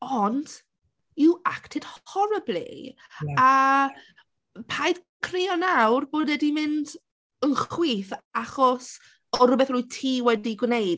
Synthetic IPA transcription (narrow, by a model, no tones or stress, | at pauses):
ɔnd̥ | ɪaktʰɪd̥hɔɾəblˠḭ | a | pʰajdkʰriɔnawrboːdɛdimɪnd | ənχwiːθaχɔs | ɔɾʊbɛθrujtʰiːwɛdiɡwnejd